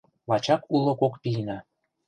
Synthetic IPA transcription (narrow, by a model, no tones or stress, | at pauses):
lɑt͡ɕɑkulŏkokpʲinɑ